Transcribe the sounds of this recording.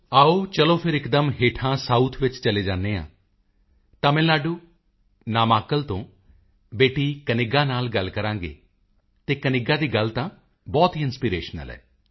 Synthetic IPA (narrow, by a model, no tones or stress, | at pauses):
aːoːt͡ʃəlõːpʰɪɾɪkd̪əmɦeːʈʰãːsaːuːt̪ʰʋɪt͡ʃt͡ʃəleːd͡ʒaːnːeːã̰ː | t̪ãːmɛ̃ːlaːɖuː | naːmaːkəlt̪õː | beːʈiːkənɪɡaːnaːlɡəlkəɾãːŋɡḛː | t̪eːkənɪɡaːd̪iːɡəlt̪ãː | bɔːt̪ɦiːɪnspiːɾeːʃnə̰lɛ̰ː